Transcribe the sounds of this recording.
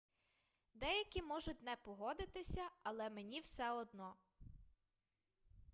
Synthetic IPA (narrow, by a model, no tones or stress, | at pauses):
d̪ɛjɐkʲimɔʒʊt̚ʲnɛpɔɦɔd̪ɪt̪ɪsʲɐɐlˠɛmenʲiwsɛɔd̪nɔ